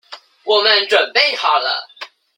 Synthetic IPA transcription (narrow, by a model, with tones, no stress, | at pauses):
wɔ˨˩mə˦nʈ͡ʂwə˨˩npe˥˩ɪxɑ˨˩ʊlə̰˨˦